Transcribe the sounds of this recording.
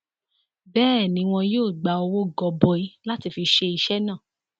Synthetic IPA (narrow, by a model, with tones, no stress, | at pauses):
bɛː˦˨nĩ˧˦w̃ɔ̃˧joː˦˨ɡ͡ba˨o˧wo˦˨ɡɔ˨bɔ˧i˧la˦ti˧fi˧ʃe˧i˧ʃɛ˦nãː˦˨